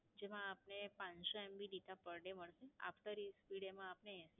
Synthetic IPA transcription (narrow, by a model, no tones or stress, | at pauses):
d͡ʒemãːpnepãnsoɛmbidit̪apəɾɖeməɭʃea̰fʈ̪əɾispiɽemãːpneɦɛ̃s